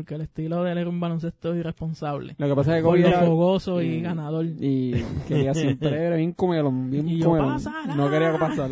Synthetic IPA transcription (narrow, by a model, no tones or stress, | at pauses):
oɾkeːlest̪iloðeleɾumbalons̬e̞st̪oirespo̞nsaβlḛlokepas̬akekoβiofoɣosoiɣanaðo̞likeiasjempɾeeɾβjeŋkomeloŋbjeŋikoomelonnokeɾiakepasal